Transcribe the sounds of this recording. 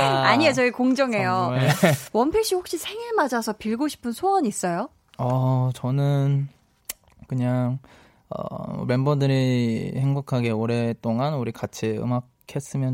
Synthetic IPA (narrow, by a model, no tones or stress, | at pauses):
aɲijʌt͡ɕʌikoŋd͡ʑʌŋɦe̞joewʌnpʰeɕ͈iɸok̚ɕ͈isʰe̞ŋiɭmad͡ʑasʰʌpiɭɡoɕʰi̥pʰɯnsʰoʌɲiːs͈ʌjo | ʌt͡ɕʌnɯn | kɯɲaŋ | ʌ̰me̞mbʌdɯɾihe̞ŋbokʰaɡe̞oɾe̞t͈oŋanuɾikat͡ɕʰiɯ̰makʰe̞s͈ɯmjʌn